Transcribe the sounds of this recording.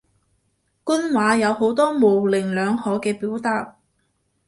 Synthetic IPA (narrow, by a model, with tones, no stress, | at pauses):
kʊ˥nwaː˨˥jɐ˨˧who˨˥wt̪ɔː˥mo˨wlɪ˨˩ŋlœː˨˧ŋhɔː˨˥kɛː˧piː˨˥wt̪aː˧t̚